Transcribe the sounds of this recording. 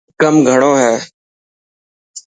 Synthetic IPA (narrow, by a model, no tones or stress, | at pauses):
kəmɡʱəɳ̃oːɦɛː